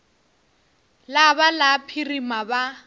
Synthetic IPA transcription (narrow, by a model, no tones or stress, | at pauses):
labalapʰirimaba